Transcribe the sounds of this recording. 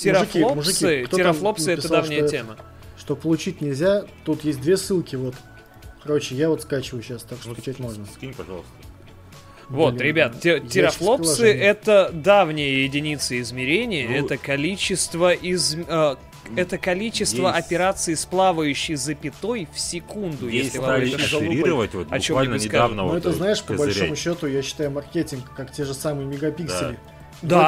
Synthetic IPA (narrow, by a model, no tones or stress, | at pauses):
tʲɪɾɐʐfliomʊʐɨsʲɨt̪ʲɪɾɐflˠo̞pssɨɛəd̪avnʲɪjəttʲemə | ʂt̪opəlˠʊt͡ɕitʲnʲɪlʲzʲat̪ut̪jesʲt̪̚ʲd̪vʲesɨlˠkʲɪvo̞t̪ | kɐɾot͡ɕɪjavot̪skat͡ɕɪvʊjʊɕːast̪akʂt͡ɕɛt̪ʲmo̞ʐnəskʲipɐʐɑ̰lˠst̪ | vo̞t̪ɾʲɪbʲat̪tʲtʲɪɾɐflˠo̞ssɨɛt̪əd̪avnʲɪjəjɪdʲɪnʲit̪səɪzmʲɪɾʲenʲɪjəɛt̪əkɐlʲit͡ɕːɪst̪vəʔɪzə | ɛt̪əkɐlʲit͡ɕɪst̪vəʔɐpʲɪɾat̪sɨisplˠavəjʉɕːɪjzəpʲɪt̪o̞jfsʲɪkund̪ʊjeslʲɪvaeiɾəvətʲvot̪̚bɐɡt͡ɕovmalʲnʲkavnəɛt̪əznaɪʂpəbɐlʲʂomʊɕːot̪ʊjaɕːɪ̥t̪ajʊmɐrkʲetʲɪnkːaktʲeʐɨsamɨjəmʲɪɡɐpʲikdsʲɪlʲɪ | d̪a